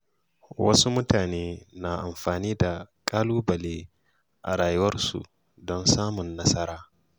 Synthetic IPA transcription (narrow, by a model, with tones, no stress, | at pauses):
wɐ˦su˦mʊ˦taː˨neː˦na˨ʔa˨mɸaː˨niː˦da˨kʼaː˦luː˦bɐ˨leː˦ | ʔa̰˨ɽaː˨jʊ˦wɐ˦rsṵ˨ | dɔ˦nsaː˦mʊ˨nːɐ˦sɐ˦ɾaː˦